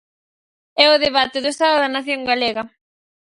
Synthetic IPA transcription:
ɛʊðeβat̪eðʊest̪aðoðɐnaθjoŋɡaleɣɐ

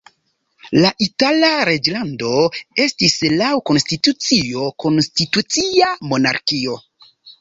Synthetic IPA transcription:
laʔitalaɾe̞d͡ʒlando̞e̞stislawko̞nstitut͡sio̞ko̞nstitut͡siamo̞na̰ɾkio̞

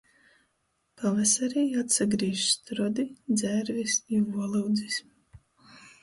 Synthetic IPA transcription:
pavɛsaɾɛːjat̪saɡɾiːʃst̪ɾɔd̪id̪zæɾvisiuɔlˠawd̪zism

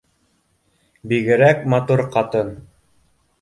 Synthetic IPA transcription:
biɡɘ̆ɾækmɑt̪uɾqɑt̪ɤn

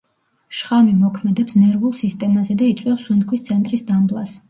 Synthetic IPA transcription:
ʃχamimɔkʰmɛd̪ɛpsnɛɾvulˠsist̪ʼɛmazɛd̪ait̪sʼwɛfswunt̪̚kʰwist̪sʰɛnt̪ʼɾisd̪amblˠas

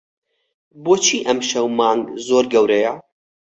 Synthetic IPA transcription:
boːt͡ʃʰiːʔɐmʃɐwmɑːŋɡzoːɾɡɐwɾɛjɐ

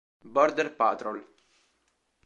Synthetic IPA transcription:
bɔɾd̪əɾpa̰t̪ɾol

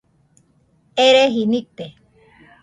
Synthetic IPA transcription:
eɾeɦinik̚t̪e

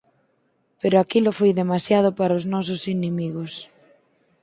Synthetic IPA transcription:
peɾʊakilʊfojðemasjað̞ʊpaɾaoznɔs̬ʊsinemiɣos

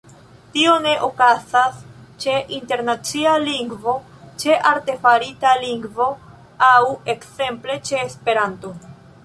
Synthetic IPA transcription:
tio̞ne̞ʔokazast͡ʃe̞ʔinte̞ɾnat͡sialiŋɡvo̞ | t͡ʃe̞ʔaɾte̞faɾitaliŋɡvo̞ | awe̞kse̞mple̞t͡ʃe̞ːspe̞ɾanto̞

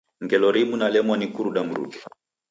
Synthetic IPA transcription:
ŋɡɛlɔɾimunalɛmwanikuɾuɗam̩ɾṵkɛ

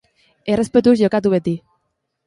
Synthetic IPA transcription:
erespet̪uzʎokat̪uβet̪i

